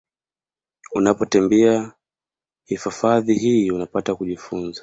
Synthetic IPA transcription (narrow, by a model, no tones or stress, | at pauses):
unapɔtɛmbɛa | hifafaðiɦiːunapatakuʄifunza